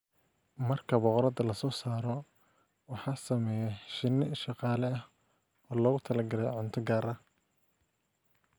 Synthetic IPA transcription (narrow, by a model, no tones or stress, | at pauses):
mɐrkʰɐbɔqɾɐd̪ɐlɐsɔːsaːɾɔ | wɑħɑːsɐmɛːjɛʃɪnːɪʃɑqɑːlɛɐh | ɔːlɔːɣʊt̪ʰɐlɐɡɐɾɛj̰ʕʊnt̪ʰɔɡaːɾɐ